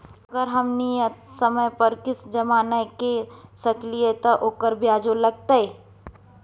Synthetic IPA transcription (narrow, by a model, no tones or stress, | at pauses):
ɐɡəɾɦɐmnijət̪sɐməjpɐɾkɪsd͡ʒɐmaːnəkesɐkliet̪ɐʔoːkəɾbjaːd͡ʒolɐɡ̚t̪ae